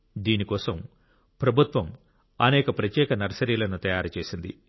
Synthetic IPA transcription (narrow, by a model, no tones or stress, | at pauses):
d̪iːnikɔːsɐm | pɾɐbʱut̪ʋɐm | ɐ̰nɛːkɐpɾɐt̪jɛːkɐnɐɾɐsɐɾiːlɐnut̪ɐjaːɾut͡ʃeːsind̪ḭ